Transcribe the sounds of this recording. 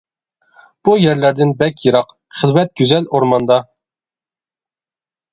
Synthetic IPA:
b̥ujɛɾlæɾd̪ɪnbɛkʲjɨɾɑq | χɪlˠvɛt̪̚ɡ̥ʲyzɛloɾmɑnd̪ɑ

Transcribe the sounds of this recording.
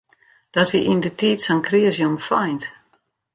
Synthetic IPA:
d̥ɔtʋiʔindətiːtsɔnkriəsjomfɔjnt

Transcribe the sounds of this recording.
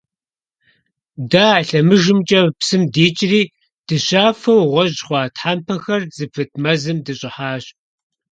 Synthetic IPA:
daːaɬɐmɨʒɨmt͡ʃʼɐpsɨmdeːt͡ʃʼɪriː | d̥ɨɕaːfɐwʁʷɔʑχʷɑːtħaːmpʰɐxɐrzɨpʰɨt̚ʰʼmɐzɨmdɨɕʼɪħaːɕ

